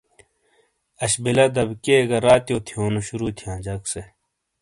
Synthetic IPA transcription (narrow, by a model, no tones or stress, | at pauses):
ɐɕbilɐd̪ɐbkeːɡɐɾaːt̪ijoːt̪ʰijoːnuɕuɾuːt̪ʰijãːd͡ʑɐkse